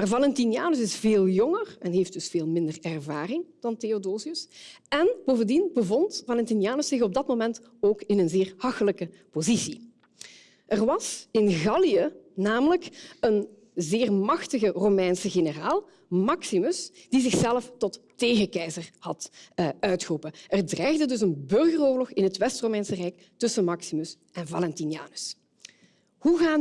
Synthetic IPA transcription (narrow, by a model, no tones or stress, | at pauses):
maːrvɑlɛntinjaːnəs̬ɪsveːlˠjɔŋərɛnɦefd̥ɵsfeːlˠmɪndərɛrvaːrɪŋd̥ɑnteodoːziəsɛnboːvəndinbəvɔntvɑlɛntinjaːnəsɪxɔb̚dɑtmomɛnt | oːkɪnənzɪːrhɑxələkəpozisi | ʔɛrʋɑsɪnɣɑliənaːmələkən | zɪːrmɑxtəɣəromɛjnsəɣenəraːlˠ | mɑksimɵsd̥izɪxsɛləftɔtː | eːɣəkɛjzərhɑtœɥtxərupəʔɛrdrɛːjɣdədɵsənbɵrɣəroːrlɔxɪnɦətʋɛstromɛjnsərɛjk | tɵsəmɑksimɵs | ɛnvɑlɛntinja̰ːnə̥s | huɣaː